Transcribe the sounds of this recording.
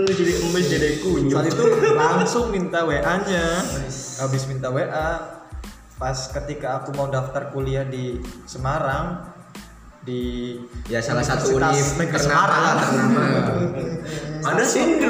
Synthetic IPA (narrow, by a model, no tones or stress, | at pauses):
didɪkməmbɪsdidekuat̪it̪ulaŋsʊŋmint̪aweʔaɲa | abɪsmint̪aweʔa | paskət̪ikaːkumaudaft̪arkuliahdisəmaɾaŋ | dijasalasat̪uamɛkərsəamaɾaŋt̪ərnama | adasi